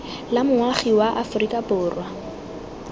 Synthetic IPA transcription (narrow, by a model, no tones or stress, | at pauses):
lamʊaχiwaʔafʊrikʼapʊːrwa